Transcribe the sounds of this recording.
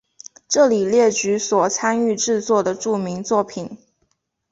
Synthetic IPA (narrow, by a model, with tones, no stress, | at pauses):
ʈ͡ʂɤ˥˩li˨˩ljɛ˥˩t͡ɕy˧˥swɔ˨˩t͡sʰa˥ny˥˧ʈ͡ʂɻ̩˥˧t͡swɔ˥˩d̪ə˩ʈ͡ʂu˥˩mi˧˥ŋt͡swɔ˥˩pʰi˨˩˦n